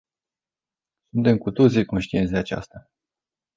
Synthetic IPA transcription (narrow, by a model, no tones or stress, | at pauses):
sunt̪e̞mkut̪o̞t̪sʲiko̞nʃt̪ie̞nt̪d̪e̞at͡ʃa̰st̪a